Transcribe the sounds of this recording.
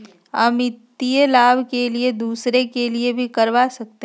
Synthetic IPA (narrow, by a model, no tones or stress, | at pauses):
ɦəmɪt̪ːielaːbkelied̪uːsɾekeliebʱikɐɾʋasɐk̚t̪e